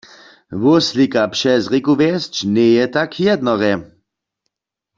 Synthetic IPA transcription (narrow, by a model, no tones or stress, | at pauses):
ʋʊslikapʃɛzʁikuʋɛst͡ʃnɛjɛt̪akʰjɛd̪nɔʁɛ